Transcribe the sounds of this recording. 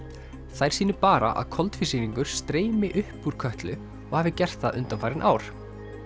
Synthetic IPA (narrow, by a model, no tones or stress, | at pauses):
θajɾ̥siːnʏpaːɾa̰ʔa̰ðkʰɔlt̪fisiːniŋkʏɾ̥st̪ɾeːjmɪʔʏhpuɾ̥kʰœht̪lʏ | ɔɣhaːvɪcɛr̥t̪θaðʔʏ̰nt̪amfajɾɪnʔaːwɾ̥